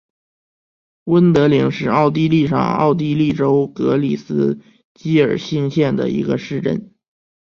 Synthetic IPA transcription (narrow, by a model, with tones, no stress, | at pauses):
wə˥nt̪ɤ˧˥li˧˥ŋʂɻ̩˥˧ɑ˥˧ʊt̪̬i˥˧li˥˧ʂɑ̰˨˩ŋɑ̰˥˧ʊt̪̬i˥˧li˥˩ʈ͡ʂo˥ʊkɤ˧˥li˨˩sɹ̩˥ | t͡ɕi˥ə̰˞˨˩ɕi˥˧ŋɕjɛ˥˩nd̪ə̰˩ḭ˧˥ɡə̰˧ʂɻ̩˥˧ʈ͡ʂə̰˥˩n